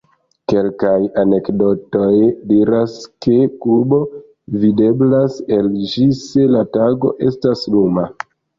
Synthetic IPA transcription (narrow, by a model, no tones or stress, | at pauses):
ke̞lkajane̞kdo̞to̞jdiɾaske̞kuɾbo̞ | vide̞blase̞ld͡ʒise̞lataɡo̞̰ʔe̞̰stasnuma